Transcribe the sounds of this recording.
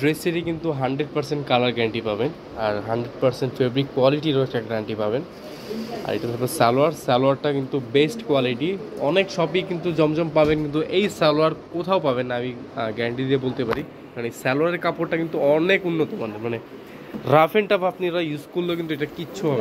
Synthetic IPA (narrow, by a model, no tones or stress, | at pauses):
ɖɾeseɾikint̪uɦaɳɖɾeɖ̚pɐɾseɳʈkalaɾɡɛɳʈipaben | aɾɦaɳɖɾeɖ̚paɾseɳʈfebɾikwaliʈiɾoɛk̚ʈaɡɾaɳʈipaben | a̰ɾḛʈat̪ʰɔbasɛloaɾsɛloaɾʈakint̪ubesʈkwaliʈiɔnekʃɔbikint̪ud͡ʑɔmd͡ʑɔmpabenkint̪uʔejsɛlaɾkot̪ʰaopaβenːaamiɡɛɳʈid̪iebolt̪epaɾi | manesɛloaɾeɾkapoɾʈakint̪uɔnekunːot̪ɔmanemane | ɾafʰenʈapapniɾajuskulːokint̪̬ueʈakiːɕʰuɦɔbe